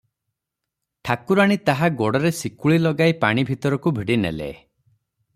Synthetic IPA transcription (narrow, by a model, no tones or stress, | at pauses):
ʈʰakuɾaɽ̃it̪aɦaɡɔɽɔɾesikuɭilɔɡajpaɽ̃ibʱit̪ɔɾɔkubʱiɽinḛlḛ